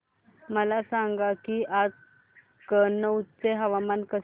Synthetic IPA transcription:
məlasãŋɡakiʔad͡z | kənəutt͡seɦəʋamankə

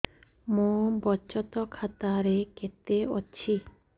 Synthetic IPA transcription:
mobɔt͡ɕɔt̪ɔkʰat̪aɾeket̪eo̰ːi

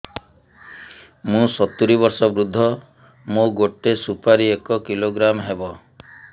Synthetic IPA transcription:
mũsɔt̪uɾiβɔɾsɔbɾud̪ʱːɔ | mũɡoʈːesupaɾiekɔkiloɡɾamɦebɔ

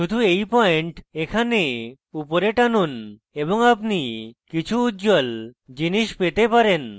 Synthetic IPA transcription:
ʃud̪ʱuejpɔeɳʈekʰane | upoɾeʈanun | eβoŋapnikit͡ɕʰuutːd͡ʑold͡ʑiniʃpet̪epaɾen

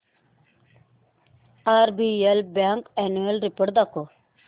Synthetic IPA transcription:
aːɾbielbaŋkɛnuelɾipəʈd̪ako

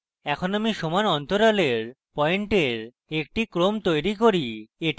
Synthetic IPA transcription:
ɛkʰonamiʃɔmaɾɔnt̪oɾaleɾ | pɔeɳʈeɾ | ekʈikɾomt̪ojɾikoɾieʈ

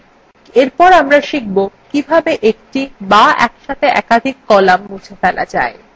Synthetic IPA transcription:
eɾpɔɾamɾaʃik̚bokibʱabeʔek̚ʈibaɛ̰kʃat̪eʔɛkad̪ʱikːɔlamːud͡ʑʰefɛla̰d͡ʑa̰e

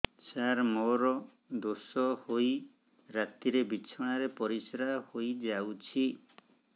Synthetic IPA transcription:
t͡ʃaɾmoɾɔ | d̪osɔhoj | ɾat̪iɾebit͡ʃʰɔɽ̃aɾepɔɾisɾahojd͡ʒawt͡ʃʰi

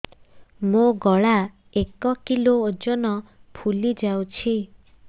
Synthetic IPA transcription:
moɡɔɭa | ekɔkiloːd͡ʒɔnɔpʰulid͡ʒawt͡ʃʰi

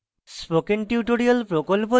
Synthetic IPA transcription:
spokenʈiuʈoɾialpɾokolpo

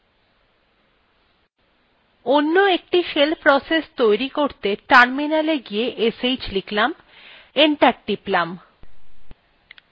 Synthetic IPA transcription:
onːoek̚ʈiʃelpɾɔsest̪ojɾikoɾt̪eʈaɾminaleɡijeʔesejt͡ɕliklam | eɳʈaɾ̚ɖiplam

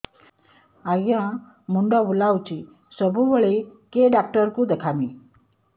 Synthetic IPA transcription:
aɡjã | muɳɖəʋulawt͡ɕiː | səbʱuʋəɭekeɖak̚ʈəɾkũd̪ekʰamiː

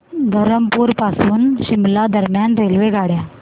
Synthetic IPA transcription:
d̪ʱəɾəmpuːɾpasuːnɕimlad̪əɾmjanɾelʋeɡʱaɽja

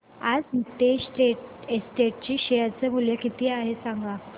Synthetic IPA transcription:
ad͡zt̪esʈeʈ̚esʈeʈ̚t͡ɕiːɕejəɾt͡səbʱuljəkit̪iːaɦesãŋɡa

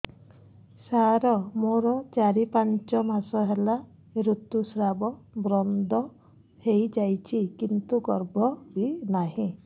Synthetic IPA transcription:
saɾɔmoɾɔt͡ʃaɾipant͡ʃɔmasɔɦela | ɾut̪usɾabɔbɾɔnd̪ʱɔ | hejd͡ʒajt͡ʃʰikint̪uɡɔɾbʱɔbinaɦĩ

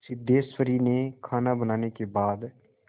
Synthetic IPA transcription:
sɪd̪eːswəɾinekʰaːnabənaːnekebaːd̪

